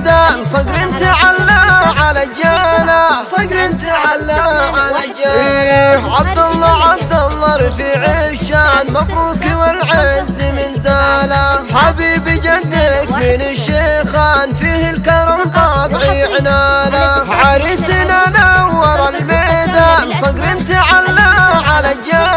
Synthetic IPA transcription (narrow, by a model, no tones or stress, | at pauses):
d̪asˤɑɡɾɪnt̪iʕalːaʕalad͡ʒalasˤɑɡɾɪt̪ʕalːaʕalad͡ʒa | ʕab̚d̪ɑlˤːɑʕɑb̚d̪ɑlˤːɑɾˤfiʕɪʃanmɑquːkiwalʕɪnzimɪnzalaħabiːbɪd͡ʒad̪ɪkmɪnaʃːexaːnfihɪlkɑɾˤɑmt̪ˤɑbʕiʕɪnaːlaʕaɾisinanawɑɾˤɑlmed̪asˤɑɡɾɪnt̪iʕalːaʕalad͡ʒa